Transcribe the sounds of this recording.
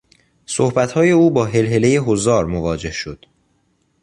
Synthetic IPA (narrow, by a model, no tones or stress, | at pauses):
sohbæt̪hɒːje̞uːbɒːɦe̞lɦe̞le̞je̞ɦozɒːɾmovɒːd͡ʒe̞hʃo̞d̪̥